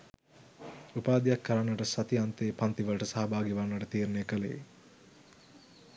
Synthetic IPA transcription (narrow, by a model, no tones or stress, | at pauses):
upaːd̪ijakːəɾanːʋəʈəsɐt̪iant̪eːpant̪iʋəlʈəsaɦɐbaːɡiʋanːʋɐʈət̪iːɾunejəkəlḛḛ